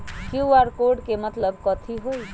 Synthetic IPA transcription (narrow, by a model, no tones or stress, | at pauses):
kuaɾkoɖkemət̪ləbkɔt̪ʰiɦoj